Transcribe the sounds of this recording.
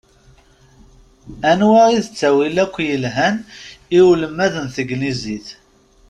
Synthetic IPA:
ænwæiðət͡sːæwilækʷːjəlɦæniwləmːæðənθəɡniziθ

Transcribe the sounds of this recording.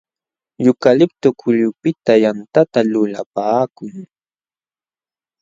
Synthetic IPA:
jʊkalɪp̚t̪ʊkʰʊʎʊpɪt̪ajant̪at̪alʊlapaːkʊŋ

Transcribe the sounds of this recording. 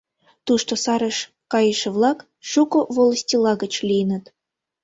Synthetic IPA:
t̪uʃt̪osɑɾə̆ʃ | kɑjə̆ʃə̆vlˠɑk | ʃukovolˠəsʲtʲilˠɑɣə̆t͡ɕlʲijnə̆t̪

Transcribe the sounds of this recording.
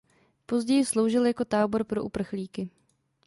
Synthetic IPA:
po̞zɟɛjɪslowʒɪljako̞t̪aːbo̞ɾpɾo̞ʔupr̩xliːkɪ

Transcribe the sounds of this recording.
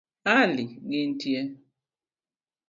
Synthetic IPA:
aliɡin̩tjɛ

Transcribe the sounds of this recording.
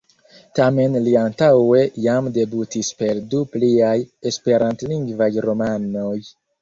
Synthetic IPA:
tame̞nliantawe̞jamde̞butispe̞ɾdupliaje̞spe̞ɾantliŋɡvajɾo̞mano̞j

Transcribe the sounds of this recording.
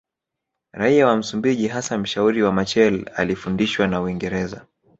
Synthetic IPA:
ɾaiawam̩sumbiʄiɦasam̩ʃauɾiwamat͡ʃɛla̰lifundiʃwanauiŋɡɛɾɛza̰

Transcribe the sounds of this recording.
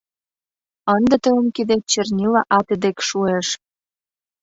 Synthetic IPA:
ənd̪ə̆t̪əəmkid̪et͡ɕernʲilɑʔɑt̪ed̪ekʃueʃ

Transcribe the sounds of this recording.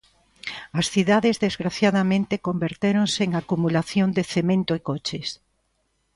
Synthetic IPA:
ɐsθiðaðezðezɣɾaθjaðamẽnt̪ekombeɾt̪eɾonseːŋakumulaθjond̪eθemẽnt̪oekot͡ʃes

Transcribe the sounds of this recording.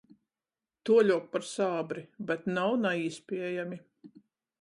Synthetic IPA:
t̪uɔlʲuɔk̚paɾsaːbɾibɛt̪nawnaiːspʲiɛjamʲi

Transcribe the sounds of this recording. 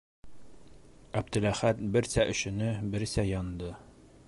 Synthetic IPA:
æb̚t̪ɘ̆læχæt̪̚bɘɾsæʔɵ̆ɕɘ̆nɘbɘ̆ɾsæjɒnd̪ɤ

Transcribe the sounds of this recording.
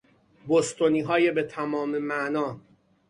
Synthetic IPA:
bost̪oniːɦɒːjebet̪ʰæmɒːmemæʔnɒː

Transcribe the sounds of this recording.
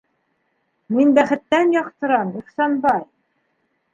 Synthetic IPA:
minbæχɘ̆t̪ːænjɒqt̪ɤ̆ɾɑmiχsɑnbɑj

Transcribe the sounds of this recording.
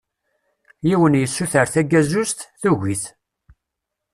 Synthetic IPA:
jiwənjəsːuθəɾθæɡæzust̪θuʝiθ

